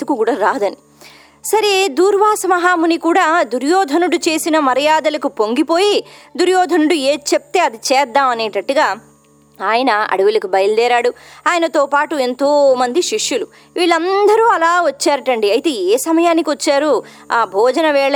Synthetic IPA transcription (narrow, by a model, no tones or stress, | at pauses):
d̪ukukuːɽaːɾaːd̪ɐni | sɐɾed̪uːɾʋaːsɐmɐɦaːmunikuːɽaːd̪uɾjɔːd̪ʱɐnuɽut͡ʃe̞ːsinɐmɐɾɐjaːd̪ɐlɐkupoŋɡipo̞ːjid̪uɾjɔːd̪ʱɐnuɽueːt͡ʃep̚t̪e̞ːɐd̪it͡ʃɛːd̪ːaːmɐneːʈɐʈːuɡaː | aːjɐnɐɐ̰ɽuʋulɐkubɐjɐld̪ɛːɾaːɽuaːjɐnɐt̪oːpaːʈue̞nt̪oːmɐnd̪iʃiʂjulu | ʋiːɭɐnd̪ɐɾuːɐlaːʋɐt͡ʃːaːɾɐʈɐɳɖiɐjit̪e̞ːeːsɐmɐjaːnikiʋɐt͡ʃːaːɾu | aːbʱɔːd͡ʒɐnɐʋɛːɭɐ